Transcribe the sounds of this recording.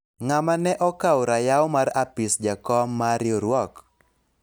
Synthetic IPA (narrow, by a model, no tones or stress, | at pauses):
ŋamanɛʔɔkawɾajaʊmarapɪsd͡ʒakɔmːaɾjoɾwɔk